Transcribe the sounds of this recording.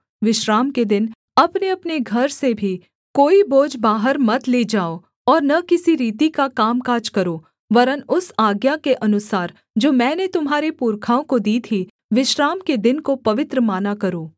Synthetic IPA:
ʋɪʃɾaːmked̪ɪn | ɐpneɐpneɡʱɐɾsebʱi | koːiboːd͡ʒbaːɦəɾmɐt̪leːd͡ʒaːo | ɔːɾnɐkɪsiɾiːt̪ikakaːmkaːd͡ʒkɐɾoː | ʋɐɾənʊsaːɡjakeʔɐnʊsaːɾ | d͡ʒoːmɛ̃ːnet̪ʊmɦaːɾepuːɾkʰaːõkod̪iːt̪ʰi | ʋɪʃɾaːmked̪ɪnkopɐʋɪt̪ɾəmaːnakɐɾoː

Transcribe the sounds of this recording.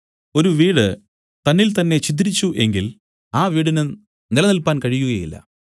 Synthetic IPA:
o̞ɾuʋiːɽɨ | t̪ɐnːilt̪ɐnːe̞t͡ɕit̪̬ːiɾit͡ɕːuʔe̞̰ŋɡil | aːʋiːɽinɨ | nilɐnilpaːnkɐɻijuɣɐjḭlːɐ̰

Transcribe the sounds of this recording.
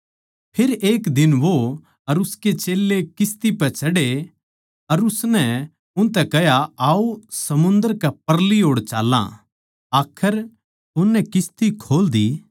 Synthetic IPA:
pʰɪɾeːkd̪ɪnʋo | ɐɾʊsket͡ʃeːlːekɪst̪ipɛt͡ʃɐɽe | ɐɾʊsnɛ | ʊ̃nt̪̬ɛkɛɦjaaːusɐmʊ̃nd̪əɾkɛp̚ɐɾliɦoːɽt͡ʃaːlːã̰ | aːkʰəɾ | ʊnːɛkɪst̪ikʰoːld̪i

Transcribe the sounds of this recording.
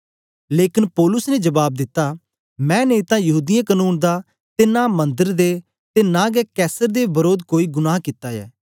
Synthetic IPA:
leːkɪnpɔːlʊsneːd͡ʒəbaːb̚d̪ɪt̪ːaː | mɛ̃ːneːt̪ãːjɐɦuːd̪ɪjãkənuːnd̪aː | t̪eːnaːmə̃nd̪əɾd̪eː | t̪eːnãːɡɛːkɛːsəɾd̪eːbəɾoːd̪koːiːɡʊnaːɦkɪt̪ːaːjɛ̰ː

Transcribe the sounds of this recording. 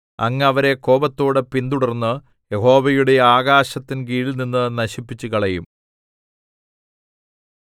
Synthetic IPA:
ɐ̰ŋːɐɐʋɐɾe̞ko̞ːbɐt̪ːo̞ːɽɨpind̪uɽɐrnːɨ | jeɦo̞ːʋɐjuɽe̞aːɡaːɕɐt̪ːinkiːlninːɨnɐɕipːit͡ɕːuɣɐɭɐjum

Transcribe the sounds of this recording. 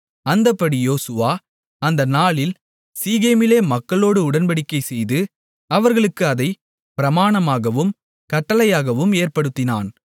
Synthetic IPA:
ɐnd̪ɐpːɐɽijoːsɯʋaː | ɐnd̪ɐnaːɭɪl | siːɣeːmɪleːmɐkːɐɭoːɽɯʊɽɐnpɐɽɪkːɐɪsɛjðɯ | ɐʋɐɾɣɐɭɯkːɯɐðɐɪ | pɪɾɐmaːɳɐmaːɣɐʋɯm | kɐʈːɐlɐjaːɣɐʋɯmeːrpɐɽɯt̪ːɪna̰ːn

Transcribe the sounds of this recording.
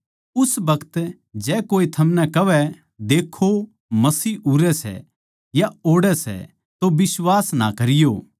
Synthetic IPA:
ʊsbɐkʰət̪ | d͡ʒɛːkoːit̪ʰɐmnɛkɐʋɛ | d̪eːkʰːo | mɐsiːuɾɛsɛ̰ | jaoːɽɛsɛ̰ | t̪obɪswaːsna̰kɐɾɪjoː

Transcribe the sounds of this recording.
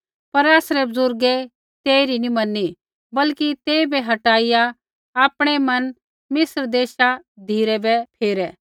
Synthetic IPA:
pɐɾaːsɾɛbʊzʊɾɡɛ | t̪eːɾinimɐnːi | bɐlkit̪eːbɛɦɐʈaːɪja | aːpɽ̃ɛmɐn | mɪsɾd̪eːʃad̪ʱiːɾɛbɛpʰeːɾɛː

